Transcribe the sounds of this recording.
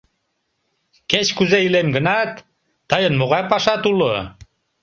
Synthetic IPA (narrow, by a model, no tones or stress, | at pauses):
ket͡ɕkuzeilemɡənɑt̪ː | əjənmoɣɑjpɑʃɑt̪ulo